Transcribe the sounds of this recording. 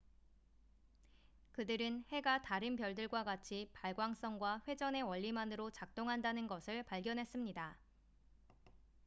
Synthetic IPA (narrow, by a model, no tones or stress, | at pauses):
kɯdɯɾɯnhe̞ɡataɾɯnpjʌɭdɯɭɡwaɡat͡ɕʰipaɭɡwaŋs͈ʌŋɡwaɸwe̞d͡ʑʌne̞wʌʎːimanɯɾot͡ɕak̚t͈oŋɦandanɯnɡʌsʰɯɭpaɭɡjʌnɦe̞s͈ɯmɲida